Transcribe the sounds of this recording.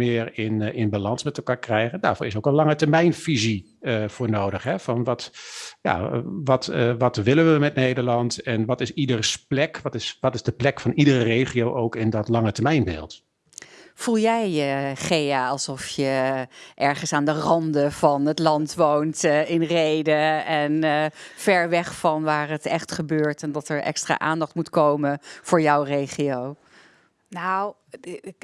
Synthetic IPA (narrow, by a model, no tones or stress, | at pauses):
ɪːɹɪnɪnbalɑnsmɛtəlˠkaːɹkrɛjχənda̰ːɹv̥oːɹɪsowkənlɑŋətəɹmɛjnfizi | əfʊːɹnoːdəχɦɛvɑnʋɑtja̰ʋɑtʋɑtʋɪlənʋəmɛtnejdəɹlɑntɛnʋɑtɪsidərsplɛkʋɑtɪsʋɑtɪzdəplɛkfɑnidərəreːχiowʔowkɪndɔtlɑŋətɛɹmɛjnbɪ̰ːlˠt | v̥ulˠjɛjəχejaːɑlˠsɔfjəʔɛɹχənsaːndərɑndəv̥ɑnətlɑntʋowntɪnrejdəɛnfɛɹʋɛχfɑnʋaːɹətɛχtχəbøːɹtɛndɑtəɹʔɛ̰kstra̰ːʔa̰ːndɑχtmutkowmənv̥ʊːɹjɑwrejχiow | naw